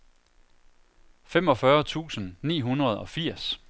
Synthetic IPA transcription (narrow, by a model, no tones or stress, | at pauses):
fem̰ɒ̽fɶɐt͡sʰṵːsənnḭːɦunʁɐð̞̩ˠɒ̽fiɐ̰s